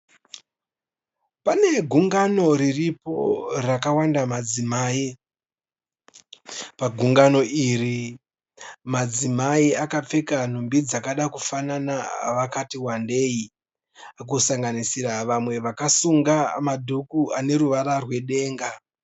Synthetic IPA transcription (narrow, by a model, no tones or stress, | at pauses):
pane̞ɡʱuŋɡano̞ɾiripo̞̰rakawandamad͡zimaːi | paɡʱuŋɡano̞iri | mad͡zimaiakap͡fe̞kan̤umbid͡zakaɗakufananaʋakatiwande̞i | ak̬usaŋɡanisiɾaʋamwe̞ʋakasuŋɡamadʱukuane̞ruʋaɾarwe̞ɗe̞ːŋɡa